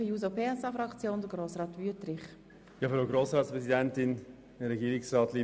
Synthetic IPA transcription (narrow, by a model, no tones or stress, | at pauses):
əjuːzopʰeːɛsɑfɾɑkt͡sjoːnd̪əɡɾoːsrɑːt̪vyətrɪχ | jɑːfɾoɡɾoːsɾɑːtspɾɛzidɛntɪn | ɪɾɛɡiːɾɪksɾɑːt̪liː